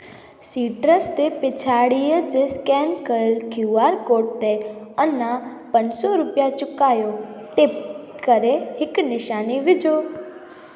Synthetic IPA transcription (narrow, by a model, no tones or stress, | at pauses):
siʈɾəst̪epɪt͡ʃʰaɽijəd͡ʒeskɛnkəelkʰjuaɾkoʈ̚t̪eənːã | pənsɔɾupjat͡ʃʊkajo | ʈep̚ | kəɾehɪknɪʃaniʋɪd͡ʒo